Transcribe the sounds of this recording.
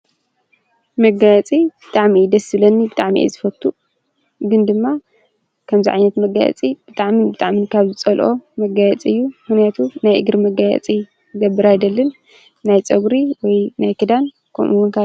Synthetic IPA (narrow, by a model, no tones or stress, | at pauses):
mɐɡajɛt͡sʼib̥ɨt̪ʼaʕmid̪ɐsɨlɐnːibɨt̪ʼaʕmiʔḭzɨfɐt̪ʰːu | ɡɨnd̪ɨmːa | kʰɐmziʕajnɐt̪mɐɡajɛ̰t͡sʼib̥ɨt̪ʼaʕmibɨt̪ʼaʕminikʰaβzɨt͡sʼɐlʔo̞mɐɡajɛ̰t͡sʼiɨjːumɨxnijat̪ʰunajʔɨ̰ɡɾmɐɡajɛ̰t͡sʼi | ɡɐbːɨɾajd̪ɐlːɨnː | ajt͡sʼɐɡɾiwɔjnajkʰɨd̪an | kʰo̰mʔuwʊnkʰa